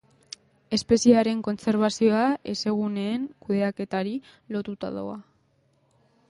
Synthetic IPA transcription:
e̞spe̞siaɾe̞ŋko̞nse̞ɾβ̞asio̞aʔe̞se̞ɣ̞une̞ːŋkuðe̞ake̞t̪aɾi | lo̞t̪ut̪a̰ðo̰a

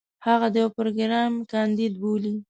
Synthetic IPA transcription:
haɣad̪əjawpɾoɡɾɑmkɑnd̪id̪̚boli

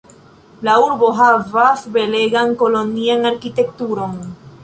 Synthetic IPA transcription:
lauɾbo̞ɦavasbe̞le̞ɡanko̞lo̞nianaɾkite̞k̚tuɾo̞n

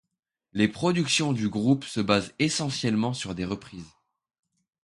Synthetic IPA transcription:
lepχɔd̪yksjɔ̃d̪yɡʁupsəbazesɑ̃sjɛlmɑ̃syʁd̪eʁəpχiz

